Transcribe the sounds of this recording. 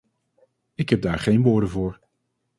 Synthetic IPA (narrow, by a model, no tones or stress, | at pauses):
ɪkɦɛb̚daːɹχejnʋʊːɹdənvʊːɹ